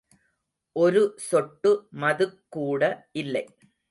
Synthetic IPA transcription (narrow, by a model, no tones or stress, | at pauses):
ʔɔɾɯsɔʈːɯmɐðɯkːuːɽɐʔɪlːɐɪ